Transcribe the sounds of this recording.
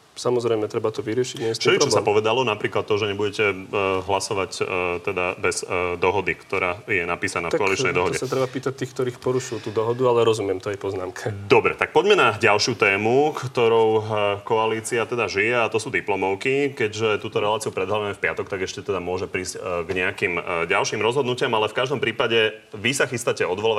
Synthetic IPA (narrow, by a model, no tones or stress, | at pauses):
samɔzɾɛjmɛt̪ɾɛbat̪ɔʋiɾɪɛʃiɲɛist̪ʃɛiɾt͡ʃɔssampɔʋɛd̪alɔnapɾiːklat̪ːɔʒɛɲɛbuɟɛcɛɦlasɔʋact̪ɛd̪abɛz̥d̪ɔɦɔd̪ikt̪ɔɾaːjɛnapiːsanaːfkɔalit͡ʃnɛjd̪ɔɦɔɟɛsat̪ɾɛbapiːt̪ac̚t̪iːxk̚t̪ɔɾiːxpɔɾuʃujut̪uːd̪ɔɦɔd̪ualɛɾɔzumɪɛmt̪ɔajpɔznaːmkʰɛd̪ɔbɾɛ̰t̪ak̚pɔɟmɛnaɟalʃɪut̪ɛːmukt̪ɔɾɔʊkɔaliːt͡siat̪ɛd̪aʒijɛat̪ɔsuːd̪iplɔmɔʊkikɛɟʒɛt̪uːt̪ɔɾɛlaːt͡siupɾɛd̪ɦlaʋɛmɛfpɪat̪ɔkt̪aɡɛʃcɛt̪ɛd̪amʊɔʒɛpɾiːzcɡɲɛakimɟalʃimɾɔzɦɔd̪nucɪamalɛfkaʒd̪ɔmpɾiːpaɟɛʋisaxist̪acɛɔd̪ʋɔlɔʋa